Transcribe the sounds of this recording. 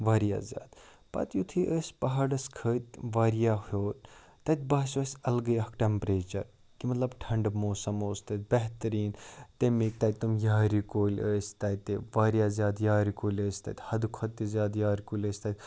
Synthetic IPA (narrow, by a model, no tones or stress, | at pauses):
ʋaːɾija̰ːzʲja̰ːd̪ | pɐ̰t̪jut̪ʰiʔəːsʲpɐɦaɽɐskʰəːt̪ʋaːɾijaːhjoːt̪ | t̪ɐt̪̚ʲbaːsɐːsʲɐlɡəjɐkʈɛmpɾeːt͡ʃɐɾ | kimɐt̪lɐbʈʰɐɳɖmoːsɐmoːst̪ɐt̪̚bɛɦt̪ɐɾiːnt̪emek̚t̪ɐt̪umjaːɾikoːlʲəːsʲt̪ɐjt̪eʋaːɾijaːzʲjaːd̪jaːɾikoːlʲəːsʲt̪ɐ̰t̪ʲhɐd̪kʰɐt̪ːizjaːd̪jaːɾikoːlʲəːsʲt̪ɐt̪ʲ